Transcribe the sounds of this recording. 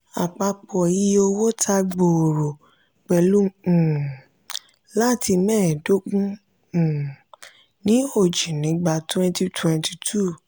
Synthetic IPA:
a˨k͡pa˧k͡pɔ˨ji˦o˧wo˦tʰa˧ɡ͡bo˨ɾo˨ | k͡pɛ˨lũ˦˨ | la˦ti˧mɛ̃ː˦˨do˦k͡pũ˦˨ | nĩ˦o˨d͡ʒi˨nĩ˨˦ɡ͡ba˧twɛ̃˧nti˧tʰwɛ̃˧nti̥˨tʰu˦˨

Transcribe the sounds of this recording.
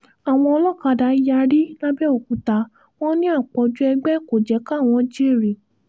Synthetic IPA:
a˨w̃ɔ̃˧ɔ˧lɔ˦˨ka˧˨da˨˧˦i˦ja˧ɾi˦nã˦bɛ˦o˨ku˨˦ta˨˧ | w̃ɔ̃˦nĩ˦a˦˨k͡pɔ˧d͡ʒu˦ɛ˧ɡ͡bɛ˦ko˨d͡ʒɛ˨˦ka˦˨w̃ɔ̃˧˦d͡ʒi˦˨ɾi˨

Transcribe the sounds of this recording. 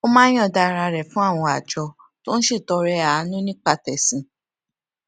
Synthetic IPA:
o˦mã˦j̃ɔ̃˦˨da˧ɾa˧ɾɛ˨fũ˦a˦˨w̃ɔ̃˧a˨d͡ʒɔ˧˦ | to˦n̩˦ʃi˦˨tɔ˨˧ɾɛ˧a˨˦nũ˦nĩ˦k͡pa˧tɛ˨sĩ˨˦

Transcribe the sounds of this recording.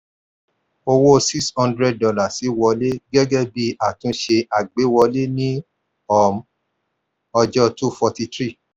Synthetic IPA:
o˧wo˦si˦kshɔ̃˦ndɾɛ˦d̚dɔ˧la˨si˨˦wɔ˧le˦ɡɛ˦ɡɛ˦bi˦a˨tũ˨˦ʃe˧a˨ɡ͡be˨˦wɔ˧le˦nĩ˦ | ɔ˦˨m | ɔ˧d͡ʒɔ˦tu˦fɔ˧ti˧tɾi˦˨

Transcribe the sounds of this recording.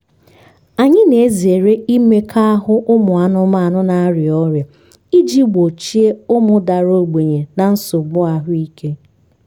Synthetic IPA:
a˨ɲɪ˦ne˨e˦zi˨e˨ɾe˦i˦me˦kʰa˦a˦ɦʊ˦ʔʊ˦mʊ˨a˨nʊ˦ma˦a˨nʊ˦na˦ɾɪ˨ɔ˦ɾja˨ | i˦d͡ʒi˦ɡ͡bo˨t͡ʃi˦e˦ʊ˦mʊ˦da˨ɾo˦˨ɡ͡be˨ɲe˨na˨n̩˦sʊ˨ɡ͡bʊ˦a˨ɦʊ˦i˦kʰe˦

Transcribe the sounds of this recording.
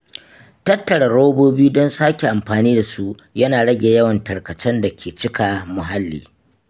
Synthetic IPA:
tɐ˦tːɐ˨ɽɐ˨ɽo˦boː˦biː˦dɔ˦nsaː˦kʲe˨ʔa˨mɸaː˨niː˦da˨su˦ʔ | jɐ˦naː˨ɽɐ˦ɡʲeː˨jɐ˦wɐ˨ntɐ˨ɽkɐ˨t͡ʃɛ˦nda˨kʲʰeː˨t͡ʃɪ˦ka˨mʊ˨ɦa˦lːḭː˨

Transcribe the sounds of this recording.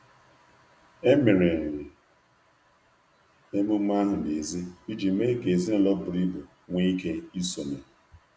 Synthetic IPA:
e˦mɪ˨ɾe˨ɾɪ˨ | e˦mʊ˦m˦a˦ɦʊ˨de˨zi˦i˦d͡ʒi˨˦me˦ke˨zi˦ɔ˦˨lɔ˦bʊ˨ɾi˦bo˨ | ŋʷe˦i˦ke˦i˦so˨ne˨

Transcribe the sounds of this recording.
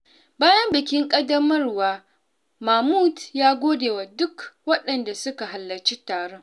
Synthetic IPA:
baː˦jɐ˦mbɪ˨kʲɪ˦ŋkʼɐ˦dɐ˦mɐ˦rwaː˨ | ma˨muː˦tjaː˦ɡʷoː˦deː˨waː˨dʊ˦kwɐ˦ɗɐ˨nda˨sʊ˦ka˨ɦa˨lːɐ˨t͡ʃi˦taː˨ɽe˦ŋ

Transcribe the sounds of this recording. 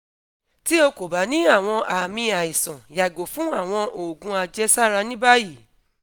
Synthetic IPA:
ti˦o˧ko˨ba˨˦nĩ˦a˦˨w̃ɔ̃˧ʔa˨mĩ˧a˨i˨sã˨ja˨ɡo˨fũ˨˦a˦˨w̃ɔ̃˧ʔo˨ɡũ˨˦a˧d͡ʒɛ˦sa˦ɾa˧nĩ˦ba˦ji˦˨

